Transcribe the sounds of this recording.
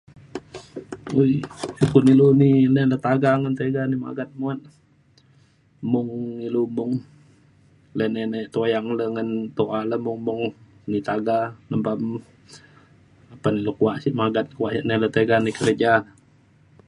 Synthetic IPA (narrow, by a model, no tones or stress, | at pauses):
ujsukuniluninɛlət̪aɡaŋənt̪eɡanima̰ɡat̪̚muat̪̚ | mʊŋilumuŋ | lənɛnɛʔt̪ojaŋləŋənt̪oʔaləmuŋmuŋ | nit̪aɡanəmpam | apanilokuaʔsiʔmaɡat̪̚kuaʔsaʔnɛlət̪eɡanikəɾəd͡ʒan